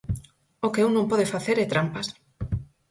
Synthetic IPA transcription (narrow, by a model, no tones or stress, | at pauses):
okɪuwnõmpɔðeɪfaθeɾɛt̪ɾampas